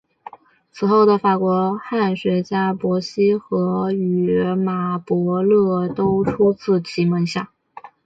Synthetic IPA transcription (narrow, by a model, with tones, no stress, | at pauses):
t͡sʰɹ̩˨˩xo˥˩ʊd̪ə˩fa˨˩kwɔ˧˥xa˥˩nɕwe˧˥ɪt͡ɕja˥pwɔ˧˥ɕi˥xɤ˧˥y˨˩ma˨˩pwɔ˧˥lɤ˥˩t̪o˥ʊʈ͡ʂʰu˥t͡sʰɹ̩˥˩t͡ɕʰi˧˥mə˧˥ŋɕja˥˩